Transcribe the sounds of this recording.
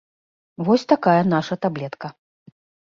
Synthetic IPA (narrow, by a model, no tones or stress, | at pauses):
vɔsʲt̪akajɐnaʂɐt̪ablʲɛt̪kɐ